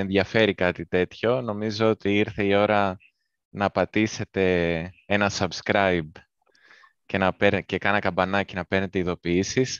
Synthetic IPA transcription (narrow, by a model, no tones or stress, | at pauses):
enðʝɐfe̞ɾikɐt̪it̪e̞t̪ço̞no̞mizo̞ot̪iiɾθe̞io̞ɾɐ | nɐːpɐt̪ise̞t̪e̞e̞nɐsɐbskɾɐjb | ce̞nɐpeɾce̞kɐnɐkɐmbɐnɐcinɐpe̞ɾne̞t̪e̞iðo̞piisis